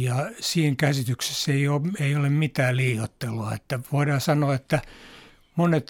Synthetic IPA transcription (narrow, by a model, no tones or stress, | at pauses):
jɑsiːŋkæsit̪ykse̥seioːeiolemmit̪æːlliːjot̪ːeloɑet̪ːæʋoidɑːsɑnoɑet̪ːæ | monet̪